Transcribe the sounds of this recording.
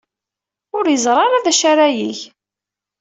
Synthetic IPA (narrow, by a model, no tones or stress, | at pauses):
ʊɾjəzˤɾˤɑɾˤaðæʃaɾæjiç